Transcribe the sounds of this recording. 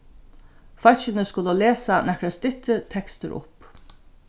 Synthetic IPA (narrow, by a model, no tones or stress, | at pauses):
fœt͡ʃɪnəskʊləleːsanɛkɾɛst̪ɪt̪ːət̪ʰɛkst̪əɾʔʊ̰p